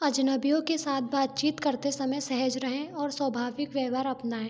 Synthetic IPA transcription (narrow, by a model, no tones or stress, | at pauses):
ɐd͡ʒnəbijõkesaːt̪̚ʰbaːt̪̚t͡ʃiːt̪kɐɾt̪esɐməjsɛɦəd͡ʒɾɐɦẽɔːɾswɐbʱaːʋɪkʋjɛːʋaːɾɐpnaːɦɛ̃ː